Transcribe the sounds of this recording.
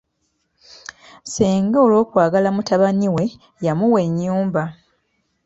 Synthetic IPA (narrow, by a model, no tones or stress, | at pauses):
siːŋɡao̞lo̞ːkwaːɡalamutaβaniwe̞ | jamuwe̞ɲːuːmba